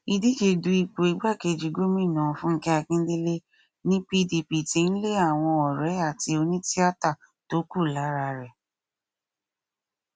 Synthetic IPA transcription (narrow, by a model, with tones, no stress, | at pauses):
i˧di˦d͡ʒe˧˨du˧i˨˧k͡po˨i˨ɡ͡ba˦˨ke˧˨d͡ʒi˨ɡo˦mĩ˦˨nã˨fũ˦kɛ˦a˧kĩ˦n̩˦di˦le˦ | nĩ˦pi˦di˧˨pi˨tĩ˧˦n̩˦le˦a˦˨w̃ɔ̃˧ɔ˨ɾɛ˨˦a˦˨ti˧o˧nĩ˦ti˦a˦ta˦˨ | to˨˦ku˦˨la˨˦ɾa˧ɾɛ˨